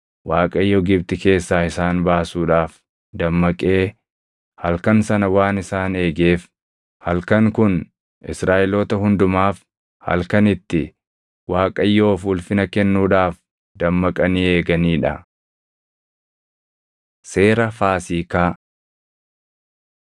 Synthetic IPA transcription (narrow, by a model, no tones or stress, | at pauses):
wʔaːkʼɐjːoːɡɪbt̪ɪke̞ːsːaːɪsaːnbaːsuːᶑaːf | d̪ɐmːɐkʼeː | hɐlkɐnsɐnɐwaːnɪsaːne̞ːɡe̞ːf | hɐlkɐŋkʊn | ʔɪsɾaːʔɪloːt̪ɐhʊnd̪ʊmaːf | hɐ̰lkɐnɪt̪ːɪ | waːkʼɐjːo̞ːfuːlfɪnɐkɛnːuːᶑaːf | d̪̥ɐmːɐkʼɐniːe̞ːɡɐniːᶑɐ | se̞ːɾɐfaːsiːkaː